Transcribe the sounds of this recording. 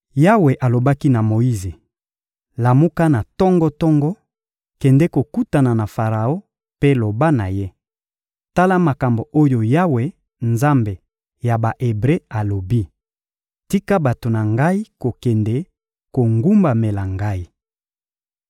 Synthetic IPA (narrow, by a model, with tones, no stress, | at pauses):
ja˦we˨ʔa˨lo˨ba˦ki˦na˨mo˨i˦ze˨ | la˨mu˦ka˦na˨tɔ˦ŋɡɔ˦tɔ˦ŋɡɔ˦ | kɛ˨ndɛ˦ko˨ku˦ta˨na˨na˨fa˨ʁa˨o˦ | pe˦lo˨ba˦na˨je˦ | ta˦la˦ma˨ka˨mbo˨ʔo˦jo˨ja˦we˨ | nza˦mbe˨ | ja˨ba˨ʔe˨bʁe˦a˨lo˨bi˦ | ti˦ka˦ba˨to˨na˨ŋɡa˦i˦ko˨kɛ˨ndɛ˦ | ko˨ŋɡu˦mba˨me˨la˨ŋɡa˦i˦